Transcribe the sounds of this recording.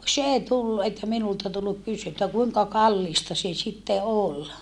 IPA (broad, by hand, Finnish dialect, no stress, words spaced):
s eˑi tulːu etːæ minultɑ tulːuk kysy etːæ kuiŋkɑ kɑlːiˑstɑ se sitːe ol